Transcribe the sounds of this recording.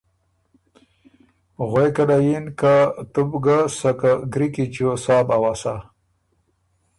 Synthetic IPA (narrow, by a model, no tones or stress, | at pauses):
ɣejkalajinkat̪ubɡasakaɡɾikit͡ɕosaːbawasa